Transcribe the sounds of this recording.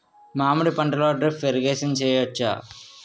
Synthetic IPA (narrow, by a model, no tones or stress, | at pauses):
maːmuɽipɐɳʈɐloːɖɾipʋeɾɡeːsɐnt͡ʃɛːjɐt͡ʃːa̰